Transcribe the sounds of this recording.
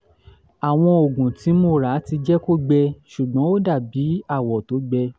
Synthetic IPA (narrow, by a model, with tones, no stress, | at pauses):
a˨w̃ɔ̃˧o˨ɡũ˨ti˨˦mo˧ɾa˨˦ti˧d͡ʒɛ˦ko˦ɡ͡bɛ˧ʃu˨ɡ͡bɔ̃˨˦o˦da˦˨bi˨˦a˦˨wɔ˨to˨˦ɡ͡bɛ˧